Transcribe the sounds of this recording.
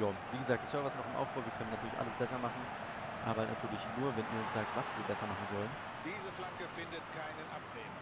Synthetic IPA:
jaːviːɡəzaːk̚d̥asœɐvɐɪstnɔχɪmʔa̰ʊb̥aʊviːɐkʰœnənːatʰyɐlɪçʔa̰ləsb̥ɛsɐmaχn̩ | ʔa̰ːbɐnʔatʰyːɐlɪçnuːɐvɛnʔiːɐʊnsz̥aːk̚tv̥asv̥iːɐbɛsɐmaχn̩zɔlən | d̥iːzəflaŋkəfɪndətkʰaɪnənʔapneːm

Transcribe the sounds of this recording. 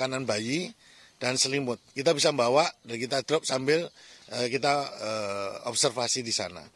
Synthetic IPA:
kananbaji | d̥ansəlimʊt̪̚kit̪abis̬ambawaʔdankit̪ad̪̥ɾɔp̚sambɪləkit̪aəɔ̰p̚sɛrfasidisa̰na̰

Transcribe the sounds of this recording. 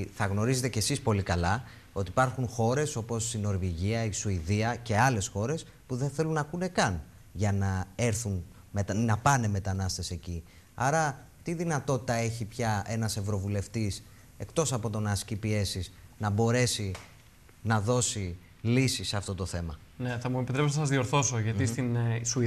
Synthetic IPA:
θɐɣno̞ɾize̞t̪e̞ce̞sispo̞likɐlɐ | o̞t̪ipɐɾxunxo̞ɾe̞so̞po̞sino̞ɾviʝiɐisuiðiɐce̞ɐle̞sxo̞ɾe̞s | puðe̞nθe̞lunɐkune̞kɐn | ʝɐnɐe̞ɾθun | met̪nɐpɐne̞me̞t̪ɐnɐst̪e̞se̞ci | ɐɾɐ | t̪iðinɐt̪o̞t̪i̥t̪ɐe̞çipçɐe̞nɐse̞vɾo̞vule̞ft̪is | e̞kt̪o̞sɐpo̞t̪o̞nɐscipie̞siznɐbo̞ɾe̞si | nɐðo̞si | lisiseɐft̪o̞t̪o̞θe̞mɐ | neθɐmuepit̪ɾepsonɐsɐzðio̞ɾθo̞soʝɐt̪ist̪insu

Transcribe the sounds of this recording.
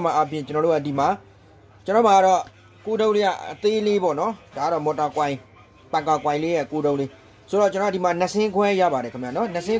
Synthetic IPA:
maʔapʰjɪ̰̃t͡ɕənɔɾoadima | t͡ɕənɔomaaɾɔ | kodõʊ̃leɡa̰ət̪elebɔ̰nɔd̥aaɾɔmɔtakwãɪ̃ | pãkakwãɪ̃lejɛkodõʊ̃le | soɾɔt͡ɕənɔadimanəsɪ̃kʰwɛja̰baɾɛkʰəmja̰nɔnəsɪ̃

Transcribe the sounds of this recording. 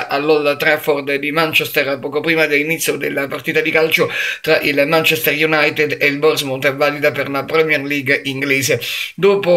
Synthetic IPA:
ʔalːɔlat̪ɾɛfɔrd̪d̪imant͡ʃɛst̪erpɔːkopɾiːmad̪elːinit̪sːjod̪elːapart̪iːt̪ad̪ikalt͡ʃot̪ɾaʔilmant͡ʃɛst̪erjunajt̪ed̪eilbɔrzmont̪ɛvːaːlid̪aperlapɾɛmjɛrliɡiŋɡleːsed̪oːpo

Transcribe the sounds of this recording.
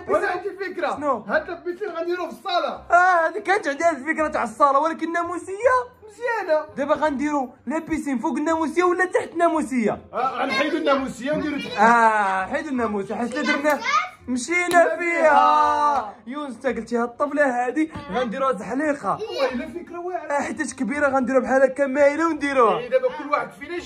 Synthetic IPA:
bd̪ilfəkɾanuhæd̪t̪æbisinɣænd̪iɾufəsˤːɑlɑæhæd̪ikænt̪ʕənd̪ihæd̪əlfəkɾat̪aʕəsˤːɑlɑwlækənnːæmusəjːamʃjænad̪æbæɣænd̪iɾu | læbisinfuɡənːæmusəjːawəlːæt̪aħt̪næmusəjːaʕlħid̪ənːæmusəjːand̪iɾut̪æħid̪ənːæmusħaslæd̪əɾnæmʃinæfihæ | juwnst̪ækəlt̪ihæt̪ˤːɑmlæhæd̪iɣænd̪iɾuhæt̪əlħliqɑlæfəkɾawaʕħət̪ːæʃkbiɾaɣænd̪iɾubħalækæmːæʔəlæwnd̪iɾuhd̪æbækʊlːwaħəd̪̚finæʃ

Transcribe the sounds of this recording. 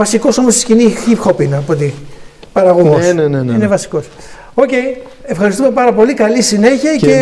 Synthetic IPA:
vɐsiko̞so̞most̪i̥scinixipxopinɐpot̪i | pɐɾɐɣoɣosneneninevɐsi̥ko̞s | o̞ce̞j | efxɐɾist̪ume̞pɐɾɐpo̞likɐlisine̞çiɐce

